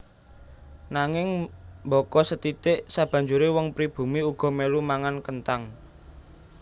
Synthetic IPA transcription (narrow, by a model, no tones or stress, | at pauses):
naŋɪŋmbɔkɔsət̪it̪ɪʔsab̥a̤ɲd͡ʒuɾewɔŋpɾib̥ṳmiuɡ̥ɔ̤melumaŋankənt̪aŋ